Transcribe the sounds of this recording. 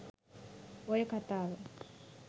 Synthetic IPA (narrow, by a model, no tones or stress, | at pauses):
ojəkat̪aːʋə